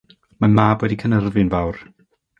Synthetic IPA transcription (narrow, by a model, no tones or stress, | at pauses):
manmaːbwɛdikʰənərvɨnvawr